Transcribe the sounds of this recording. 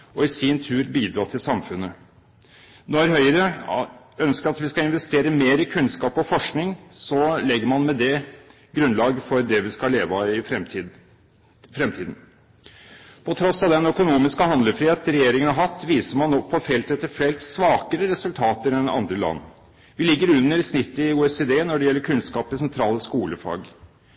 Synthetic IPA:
ɔɪsɪnt̪ʰʉːɾbiːd̪ɾɑːt̪ʰɪlsɑmfʉnːə | nɔɾhœʏəɾə | œnskəɾɑt̪ʋɪskɑɪnʋɛst̪eːɾəmeːɾɪkʰʉnskɑːpɔfɔʂknɪŋsɔlɛɡːəɾmɑnmɛd̪ɛ | ɡɾʉnlɑːɡəfɔɾd̪ɛʋɪskɑleːʋɑɪ | fɾɛmt̪ʰiːd̪n̩ | pʰɔt̪ʰɾɔsːɑʋd̪ɛnœkʊnuːmɪskəhɑnd̪ləfɾiːheːt̪ɾɛjeːɾɪŋənhɑɾɦɑt̪ːʋiːsəɾmɑnːɔpʰːɔfɛlt̪ɛt̪ːəɾfɛlt̪sʋɑːkəɾəɾɛsʉlt̪ʰɑːt̪əɾɛnɑ̰nd̪ɾəlɑ̰nː | ʋɪlɪɡːəɾʉnːəɾsnɪt̪ːəɪuːɛseːd̪eːnɔɖɛjɛlːəɾkʰʉnskɑːpɪsɛnt̪ʰɾɑːləskuːləfɑ̰ːɡ

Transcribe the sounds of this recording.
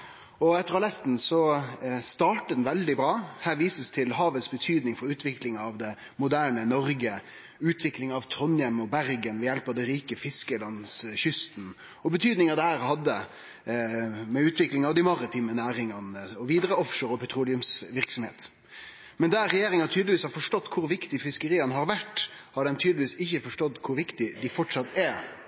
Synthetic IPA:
ɔɛt̪ːəɾɑlɛst̪n̩sɔst̪ɑːʈəd̪n̩ʋɛld̪ɪbɾɑːhæːɾʋiːsəst̪ʰɪlɦɑːʋət̪sbət̪ʰyːd̪nɪŋfɔɾʉːt̪ʰʋɪklɪŋɑʋd̪ɛ | mʊd̪æːɳənɔɾɡə | ʉːt̪ʰʋɪklɪŋɑʋt̪ʰɾɔnjɛmɔbæɾɡənʋɛjɛlpɑʋd̪ɛɾiːkəfɪskəlɑnsɕʏst̪n̩ | ɔbət̪ʰyːd̪nɪŋɑʋd̪ɛhæːɾhɑd̪ːə | mɛʉːt̪ʰʋɪklɪŋɑʋd̪ɪmɑɾɪt̪ʰiːmənæːɾɪŋɑnəɔʋiːd̪ɾəɔfʂəɾɔpʰɛt̪ʰɾuːlɪʉmsʋɪʁksɔmhḛːt̪ | mɛnd̪æɾɛjeːɾɪŋɑt̪ʰyːd̪lɪʋiːshɑɾfɔʂʈɔt̪ːkʰʊɾʋɪkt̪ɪfɪskəɾiːənəɦɑɾʋæʈːhɑɖɛmt̪ʰyːd̪lʋiːsɪçːəfɔʂʈɔt̪ːkʰʊɾʋɪkt̪ɪd̪ɪfɔʈʂɑt̪ːɛ

